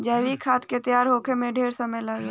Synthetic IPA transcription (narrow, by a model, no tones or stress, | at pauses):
d͡ʒəjʋikʰaːt̪ket̪jaːɾɦoːkʰemẽɖʱeːɾsəməjləɡa